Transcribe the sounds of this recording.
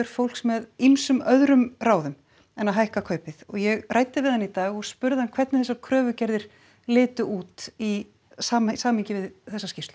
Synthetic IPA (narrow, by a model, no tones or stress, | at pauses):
ɛɾ̥fowlksmɛðimsʏmœðɾʏmraːwðʏm | ɛnːaɦajhkakʰœːɥpɪθɔɣjɛɣraːjt̪ɪvɪðanit̪aːɣɔɣspʏɾðɪhankʰv̥ɛɾt̪nɪθɛsːakʰɾœːvʏcɛɾðɪɾ̥ | lɪːt̪ʏʔuːt̪i | saːmsaːmiɲcɪvɪðθɛsːascɪft̪l̥